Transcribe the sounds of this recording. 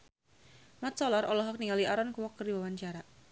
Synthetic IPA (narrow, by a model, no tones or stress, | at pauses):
mat̪̚sɔlɔɾɔlɔɦɔk̚niŋaliʔaɾɔnkuwɔkːərdiwawaɲt͡ʃaɾa